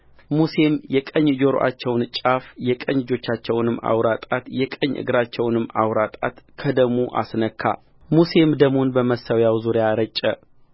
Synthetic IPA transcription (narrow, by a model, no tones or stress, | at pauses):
muse̞mjɛkʼəɲːd͡ʒo̞ɾo̰ʔa̰t͡ʃːɛwnt͡ʃʼafjɛkʼəɲːɪd͡ʒo̞t͡ʃːat͡ʃːɛwnɨmːa̰wɾat̪ʼat̪jɛkʼəɲːʔɨ̰ɡɾat͡ʃːɛwnɨmːawɾat̪ʼat̪kʰəd̪əɡmuʔa̰snəkʰːa̰ | muse̞md̪əɡmonbəməsəwjawzuɾjaɾət͡ʃʼːɛ